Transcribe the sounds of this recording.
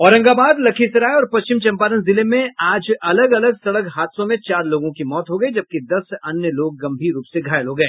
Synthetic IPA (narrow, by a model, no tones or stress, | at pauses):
ɔːɾɐ̃ŋɡaːbaːd̪lɐkʰisɐɾaːeɔːɾpɐst͡ʃɪmt͡ʃɐ̃mpaːɾənzɪlemẽaːd͡ʒɐləɡɐləɡsɐɽəkɦaːt̪sõmẽt͡ʃaːɾloːɡõkimɔːt̪ɦoɡɐid͡ʒɐb̚kid̪ɐsɐnjəloːɡ̚ːɐ̃mbʱiːɾɾuːpseɡʱaːjəlɦoːɡɐeː